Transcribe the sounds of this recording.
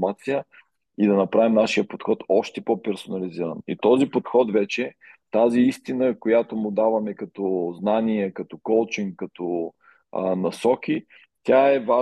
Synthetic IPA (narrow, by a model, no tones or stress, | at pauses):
mat̪sijə | id̪ɐnɐpɾavimnaʃijəpot̪xɔt̪ɔʃt̪ɛpɔpɛɾsonɐliziɾə̰nḭt̪ɔzipot̪xɔt̪vɛt͡ʃɛ | t̪aziist̪inəkojat̪omʊd̪avɐmɛkɐt̪ɔznaniɛkɐt̪ɔkɔlˠt͡ʃiŋkkːɐt̪ɔ | nɐsɔkʲi | t̪ʲaɛva